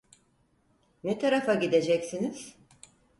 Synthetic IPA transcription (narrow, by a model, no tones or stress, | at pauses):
nɛt̪ʰaɾafaɟid̪e̞d͡ʒɛcsiniz̥